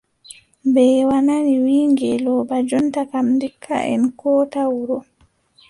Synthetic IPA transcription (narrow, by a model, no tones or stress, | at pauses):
bɛwananiwiːŋɡɛlɔbad͡ʒɔntakamndikʰːa̰ʔɛ̰nkɔːtawuɾɔ